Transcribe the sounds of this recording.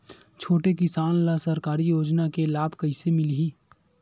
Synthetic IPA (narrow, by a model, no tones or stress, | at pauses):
t͡ʃʰoːʈekɪsaːnlasɐɾkaːɾijoːd͡ʒnakelaːbʱkɐɪsemɪlɦiː